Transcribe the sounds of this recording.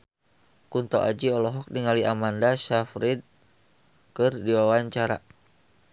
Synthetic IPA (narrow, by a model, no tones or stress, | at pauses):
kunt̪ɔʔad͡ʒiɔlɔɦɔk̚niŋaliʔamandasafɾid̪̚ | kɨrdiwawaɲt͡ʃaɾa